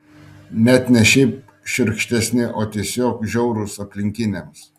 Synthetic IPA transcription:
nʲæt̪nʲɛʃʲɛɪp̚ | ʃʲɪɾkʃʲt̪ʲɛsʲnʲɪʔoːt̪ʲiɛsʲoːkʒʲɛʊɾʊsɐpʲlʲɪŋʲkʲɪnʲeːˑms

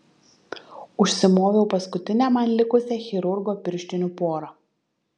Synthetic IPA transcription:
ʊʃʲsʲɪmoːʋʲɛʊpɐskʊt̪ʲɪnʲɛːmɐnlʲɪkʊsʲɛxʲɪɾʊɾɡoːpʲɪɾʲʃʲt̪ʲɪnʲupoːɾɐ

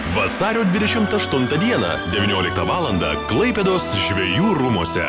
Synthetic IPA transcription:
ʋɐsɑːɾʲoːd̪ʲʋʲɪd̪ʲɛʃʲɪmt̪ɐʃt̪ʊnt̪ɐd̪ʲiɛnɐ̰d̪ʲɛʋʲɪnʲoːlʲɪk̚t̪ɐʋɑːlˠɐnd̪ɐ̰klˠɐɪpʲɛd̪oːsʒʲʋʲɛjuːɾʊmuɔsʲɛ̰

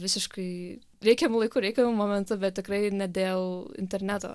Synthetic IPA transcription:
ʋʲɪsʲɪʃkɐɪ | ɾʲɛɪkʲɛmʊlˠɐɪkuːɾʲɛɪkʲɛmʊmoːmʲɛnt̪ʊbʲɛt̪̚ʲtʲɪkɾɐɪnʲɛd̪ʲeːlˠɪ̰nʲt̪ʲɛɾʲnʲæt̪o̰ː

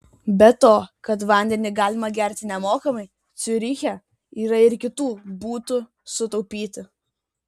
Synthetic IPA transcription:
bʲɛt̪oːkɐt̪ʋɐˑnʲd̪ʲɛnʲɪɡɑːlʲɪmɐɡʲɛˑɾʲt̪ʲɪnʲɛmoːkɐmɐɪ | t̪sʲʊɾʲɪxʲɛ | iːɾɐɪɾkʲɪt̪uːbuːt̪ʊ | sʊt̪ɒʊpʲiːt̪ʲɪ

